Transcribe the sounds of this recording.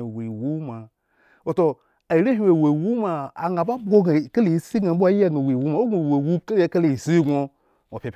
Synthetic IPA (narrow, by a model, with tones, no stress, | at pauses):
wi˨wu˦ma˨ | wo˨to˨ | a˨i˨˦ɾe˦ɦi˦e˨we˨wu˦ma˨a̰˨ŋa˨ba˦bo˦ɡa˨ke˦le˨ji˦si˦ɡa˨˦bʷa˦ji˦a˦ɡa˨wi˨wu˦ma˨˦wo˦ɡo˨we˨wu˦ke˦le˦ke˦le˨i˨si˦ɡo˧ | wo˨pʲe˨p